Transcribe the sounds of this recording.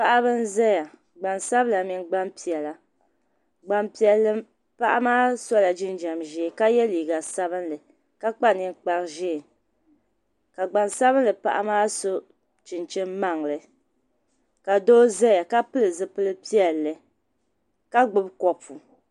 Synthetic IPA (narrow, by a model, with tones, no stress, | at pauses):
pa˦ʔa˦bɨ˦n˦zɛ˦ja˨ | ɡ͡ba˨nsa˦bla˨mi˨ŋɡ͡ba˦mpi˨ɛ˨la˨ | ɡ͡ba˨mpi˨ɛ˨lːɨ˦m | pa˦ʔa˦maː˦sɔ˦la˨d͡ʒɪ˦nd͡ʒa˨mʒeː˦ka˦jɛ˦liː˨ɡa˨sa˦βɨ˦nlɨ˨ | ka˦k͡pa˦nɨ˨ŋk͡pa˨ɾɨ˨ʒɛ˦˨ | ka˨ɡ͡ba˨nsa˦βɨ˦nlɨ˨pa̰˦ʔa̰˦maː˦so˦ | t͡ʃɪ˨nt͡ʃɪ˦mma˦˨ŋlɨ˨ | ka˨doː˦zɛ˦ja˨ka˦pɨ˦lɨ˨zɨ˦pɨ˦lɨ˦pi˦ɛ˨lːɨ˨ | ka˦ɡ͡bʊ˦bkɔ˨pu˨